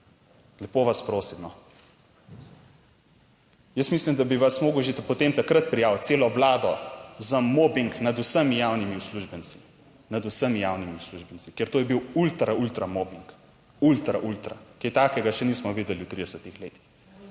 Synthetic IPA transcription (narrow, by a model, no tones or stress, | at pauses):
lɛpoːʋaspɾoːsimnɔ | jəsmislimd̪abiʋasmoːɡuʒepɔt̪emt̪akɾət̪̚pɾijawt̪seːlɔʋlaːd̪ɔzamoːbiŋknad̪usəmijaːwnimiusluʒbənsi̥ | nad̪usəmijawnimiwsluʒbənt͡ssikeɾt̪oːjɛbiwult̪ɾault̪ɾamoːbiŋk | ult̪ɾaʔult̪ɾa̰ket̪aːkɛɡaʃɛniːsmɔʋiːd̪ɛliwt̪ɾid̪ɛsət̪ixleːt̪i̥x